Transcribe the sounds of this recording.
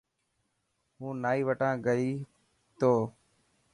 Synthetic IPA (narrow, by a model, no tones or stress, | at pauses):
ɦũːnaːiːʋəʈãːɡəiː | t̪oː